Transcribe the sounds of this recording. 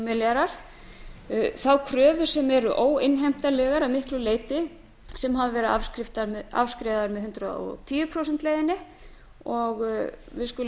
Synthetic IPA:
mɪlɾaɾ̥ | θawkʰɾœːvʏ̥sɛmɛɾʏʔoːwɪnɦɛm̥t̪alɛːɣaɾamɪhklʏleːjt̪ɪ | sɛmɦavɪvɛɾɪakɾɪft̪aɾa̰vskɾeːðaðaɾmɛðhʏnt̪ɾaɔ̰t̪ʰiːʏpʰɾoːwsɛnt̪leːjðɪnːɪ | ɔɣvɪðskʏl

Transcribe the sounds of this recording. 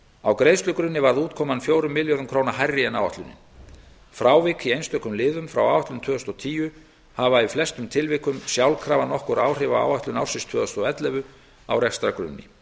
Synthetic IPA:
awkɾeːjst̪lʏkɾʏnːɪvaɾðuːt̪̚kʰɔːmanfjoːwɾʏmːɪljœðʏmkʰɾownaɦajrːɪɛnaːwva̰ht̪lʏnːɪ̰n | fɾaːwvɪkiejnst̪œhkːʏmlɪːðʏmfɾa̰waːwvaht̪lʏnt̪ʰœːðʏst̪ɔt̪ʰiːjʏ | havaiflɛst̪ʏmt̪ʰɪlvɪkʏmsjawlkʰɾaːvanɔhkɔɾaːwr̥ɪvaa̰ːwaht̪lʏnawsɪst̪ʰvœːðʏst̪ɔɛt̪lɛvʏ | a̰wɾɛkst̪ɾakɾʏ̰nːɪ̰

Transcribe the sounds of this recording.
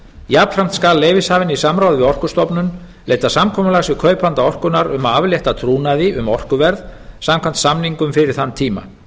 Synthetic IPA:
jaːpl̥fɾam̥t̪skaːlːeːjvɪshaːvɪnisamɾaːwðvɪɔr̥kʏst̪ɔpnʏn | leːjt̪asamkʰɔːmʏlaɣsɪkʰœːɥpant̪aɔr̥kʏnaɾʏmaavljɛht̪at̪ʰɾuːnaðɪʔʏmɔr̥kʏvɛɾðsamkʰan̥t̪samniŋkʏmfɪɾɪɾ̥θant̪ʰiːma̰

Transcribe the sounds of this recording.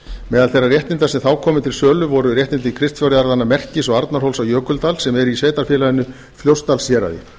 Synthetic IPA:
mɛːðalθejrːarjɛht̪nɪnt̪asɛmθaːwkʰɔːmɪt̪ʰɪlsœːlʏvɔɾʏrjɛht̪nɪnt̪ɪkʰɾɪst̪fjawɾɪaɾðanːamɛr̥cɪsɔɣaɾt̪naɾ̥howlsawjœːkʏlt̪alsɛmɛɾisveːt̪aɾ̥fjɛːlaðɪnːʏ | fljowst̪alsjɛːɾa̰ðɪ̰

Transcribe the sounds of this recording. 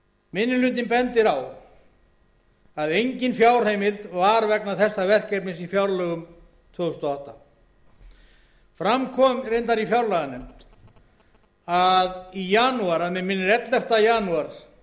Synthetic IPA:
mɪnːʏlʏnt̪̬ɪnpɛnt̪ɪɾaw | aðejɲcɪnfjaːwr̥hejmɪlt̪vaɾvɛknaθɛsːavɛr̥kɛjpnɪnsifjawɾlœɣʏm | t̪ʰvʏst̪ɔawht̪a | fɾamkʰɔmɾejnt̪aɾifjawɾlœɣanʏm | aðijanuaɾaðmɛmɪnːɪɾɛt̪lɛft̪ajanuaɾ̥

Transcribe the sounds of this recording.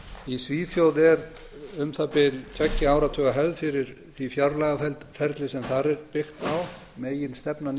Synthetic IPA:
isviːθjowðɛɾ | ʏmθapɪlt̪ʰɛcːɪaːwɾat̪ʰœːɣaɦœvðfɪɾɪɾ̥ | θvifjaɾlaɣaɛfɛɾt̪lɪsɛmθaɾɛɾpɪxt̪aw | meːjɪnst̪ɛpnan

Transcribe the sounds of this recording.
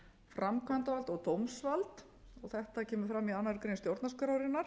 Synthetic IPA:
fɾamkʰvant̪avalt̪ɔɣt̪owmsvalt̪ | ɔɣθɛht̪acʰɛːmʏ̥fɾamːianːaɾkɾejnst̪jowɾt̪naskaɾawɾɪnːaɾ̥

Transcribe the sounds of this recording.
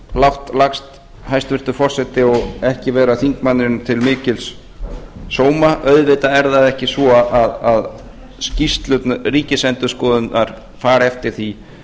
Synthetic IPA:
lawht̪lakst̪ | hajst̪vɪɾ̥t̪ʏfɔr̥sɛht̪ɪɔɣɛhcɪvɛːɾaθiŋkmanːɪnt̪ʰɪlmɪːcɪlsː | oːwmaʔœɥðvɪt̪aɛɾðaðɛhcɪsvɔaðað | scist̪lʏt̪nariːcɪsɛnt̪ʏ̥skɔːðʏnaɾ̥ | faːɾɛft̪ɪɾ̥θi

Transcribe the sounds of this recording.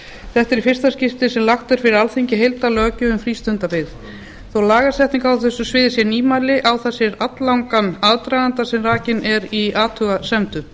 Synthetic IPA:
θɛht̪ɛɾifɪr̥st̪ascɪft̪ɪsɛmlaxt̪ɛɾ̥fɪɾɪɾalθiɲcɪɦejlt̪alœːcʏʏmfɾiːst̪ʏnt̪apɪð | θowlaːɣasɛht̪iŋkawθɛsːʏsvɪːðɪsjɛɾniːmaːlɪʔawθɛsːɪɾat̪lawŋkanaðt̪ɾajðant̪asɛmraːcɪnɛɾiaːt̪ʰʏɣasɛmt̪ʏ

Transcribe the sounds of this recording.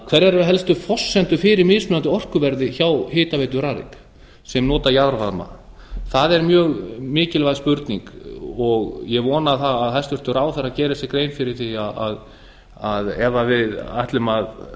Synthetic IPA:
kʰvɛɾɛɾɦɛlst̪ʏfɔsːɛnt̪ʏfɪːɾɪɾmɪːðsmʏːant̪ɪɔr̥kʏvɛɾðɪçawhɪːt̪avejt̪̬ʏɾaːɾɪ̰k | sɛmnɔːt̪ajaðɾvaɾma̰ | θaðɛɾmjœːɣmɪːcɪlvajðspʏɾt̪nḭŋkɔɣjɛvɔːnaθaːðhast̪ʏr̥t̪ʏɾaːwθaɾacɛːɾɪsɛkɾejnfɪɾɪɾ̥θiaa̰ð | aðɛvavɪða̰jht̪lʏmað

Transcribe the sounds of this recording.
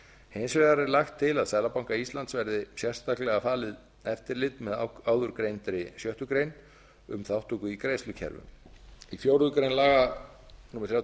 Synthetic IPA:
hejnsvɛðaɾɪlaxt̪ʰːɪlaðsɛːðlapawŋkaist̪lant̪svɛɾðɪsjɛr̥st̪aklɛɣafaːlɪð | ɛft̪ɪɾlɪt̪mɛðaːwðʏɾkɾejnt̪ɾɪsjœht̪ʏkɾejn | ʏ̰mθawht̪ʰukʏikɾeːjslʏcʰɛ̰ɾvʏ̰mifjowɾðʏkɾejnlaːɣa | nuːmɛɾ̥θɾjaw

